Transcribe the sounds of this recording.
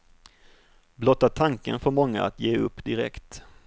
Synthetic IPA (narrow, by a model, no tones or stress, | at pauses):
blɔt̪ːat̪ʰaŋkə̰nfœɾmɔŋːa̰a̰t̪jeːɵ̰pːd̪ɪɾɛ̰kt̪